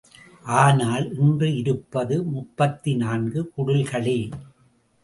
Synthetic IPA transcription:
ʔaːnaːlʔɪndrɯɪɾɯpːɐðɯmʊpːɐt̪ːɪnaːnɡɯkʊɽɯlkɐɭɪ

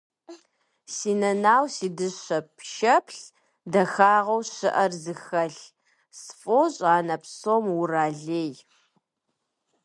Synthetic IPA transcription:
siːnɐnaːwsiːdɨɕɐpʰʃɐpʰɬ | dɐxaːʁɐwɕɨʔɐrzɨxɐɬ | sfʼoːɕʼaːnɐpsoːmʊraːɮeːj

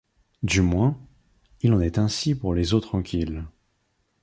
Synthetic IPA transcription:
d̪ymwɛ̃ | ilɑ̃nɛt̪ɛ̃sipuʁlezot̪χɑ̃kʲil

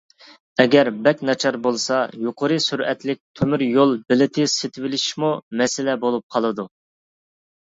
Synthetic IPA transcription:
ɛɡʲɛɾbɛkʲnɑt͡ʃʰɑɾbolˠsɑjoqʰəɾɨsyɾɛt̪lɪk̚ʲt̪ʰømyɾjolˠbɪlɪt̪ʰɪset̪ʰɪvɪlɪʃi̥ʃmumɛsɪlɛbolˠup̚qʰɑlˠɨd̪u

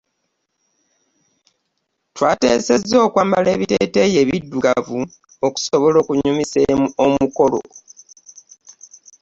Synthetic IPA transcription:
twaːte̞̰ːse̞zːo̞ːkwaːmbale̞ːβiteːteje̞βidːuɡavu | oku̥so̞βo̞lo̞ːkuɲumiseomuko̞lo̰

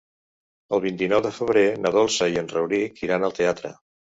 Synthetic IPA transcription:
əlˠβint̪inɔwðəfəβ̞ɾenəðɔlˠsəiənrəwɾikiɾanəlˠt̪eat̪ɾə̰

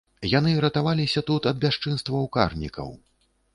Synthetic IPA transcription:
janɨɾɐt̪avalʲisʲɐt̪ut̪ɐd̪̚bʲaʂt͡ʂɨnst̪vɐwka̰rnʲḭkʰɐ̰w

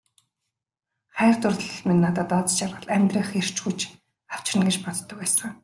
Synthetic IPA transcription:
χæːrt̪ʊrt̪ɮ̆ɮminːat̪əːt̪ɔt͡st͡ɕjarʁə̆ɮæmʲt̪rĭŋχer̥t͡ɕɡujt͡ɕ | aw̥t͡ɕɪ̆nɡet͡ɕpɔt̪t̪ːɞ̆kæːsə̆ŋ

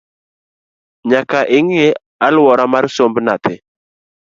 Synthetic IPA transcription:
ɲakaʔɪŋɪ | alwɔɾamaɾsombnat̪ɪ

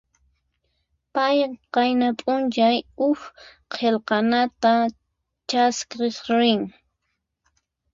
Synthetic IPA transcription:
pajqɑjnapʼʊnt͡ʃajʊx | qʰelqɑnat̪a | t͡ʃaskɾesɾɪŋ

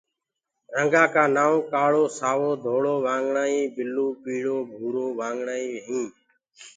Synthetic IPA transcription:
ɾəŋɡaːkaːnaːʋkaːɭoːsaːʋoːd̪ʱoːɽoːʋãːŋɡɳaːĩːbɪluːpiːɽoːbʱuːɾoːʋãːŋɡɳaːĩːɦĩː

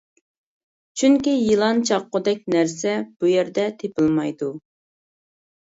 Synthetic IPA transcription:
t͡ʃʰyŋkʲijilˠɑnt͡ʃʰɑqːʊd̪ɛk̚ʲnæɾsɛb̥ujɛɾd̪ɛt̪ʰepɨlˠmɑjd̪u

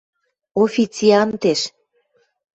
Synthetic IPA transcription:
ofʲit͡sʲiɑnt̪eʃ

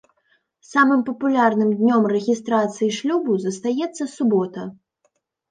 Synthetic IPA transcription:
samɨmpɐpulʲarnɨmd̪ʲnʲɔmrɛɣʲist̪ɾat̪sɨjiʂlʲubuzɐst̪ajɛt̪sːɐsubɔt̪ɐ

